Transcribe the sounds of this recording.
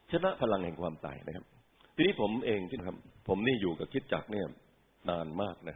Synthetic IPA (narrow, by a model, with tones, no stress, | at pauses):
t͡ɕʰa˧na˦˥ʔpʰa˧la˧ŋhɛ̰˨˩ŋkʰwaː˧mt̪a̰ː˨˩jna˦˥kʰa˦˥p̚ | t̪ʰiː˧niː˦˥pʰo˩˦mʔeː˧ŋt͡ɕ̪ʰi˥˩kʰa˦˥p̚ʰo˩˦mniː˥˩juː˨˩ka˨˩p̚kʰi˦˥t̪̚t͡ɕa̰˨˩k̚ni˥˩ɐ | naː˧nmaː˥˩k̚na˦˥kʰa˥